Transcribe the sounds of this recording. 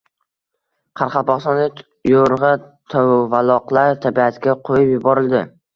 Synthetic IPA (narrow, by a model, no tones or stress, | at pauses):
qʰɑɾqʰɑpɒχst̪ɒnɪ | joɾʁɑt̪ʰowvalˠɒqlˠaɾt̪ʰabiat̪ɡʲaqʰojɪpjʊbɒɾɪlˠd̪ɪ